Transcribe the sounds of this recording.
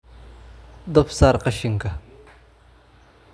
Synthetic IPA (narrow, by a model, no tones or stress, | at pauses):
d̪ɔfsaːɾqɑʃɪŋkʰɐ